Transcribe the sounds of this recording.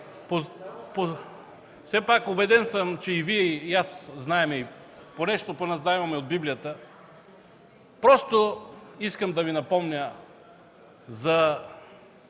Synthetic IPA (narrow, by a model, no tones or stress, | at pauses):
popo | fsɛpakʊbɛd̪ɛnsəmt͡ʃɛiviɛijasznaɛmɛi | ponɛʃt̪oponazaɛvɐmɛod̪̚biblijət̪ə | pɾɔst̪oiskəmd̪ɐvinɐpɔmnʲə | zɐ